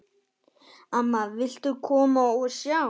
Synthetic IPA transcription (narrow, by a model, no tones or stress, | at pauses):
amaʋɪɬt̪ukʰoːmaoʃja